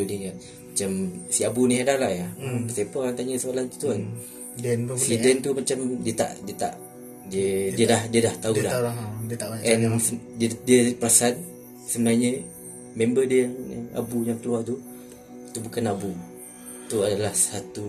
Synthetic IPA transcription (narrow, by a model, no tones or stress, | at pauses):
nija | mat͡ʃamsiabuniɦadalaʔjaəsepɔant̪aɲəsəalant̪u̥t̪uan | nsidɛnt̪umat͡ʃamdiət̪a̰ʔdiət̪a̰ʔ | diədiədahdiədaht̪audahdt̪aaʔɛnddiəpəɾasan | səbənaɲə | membədiəjaŋa̰bujaŋkəluat̪u | it̪ubukanabu | t̪uadalahsat̪u